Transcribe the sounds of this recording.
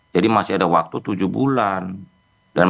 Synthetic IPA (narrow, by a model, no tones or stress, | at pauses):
d͡ʒadimasiadawak̚t̪ut̪ud͡ʒubṵlan | dan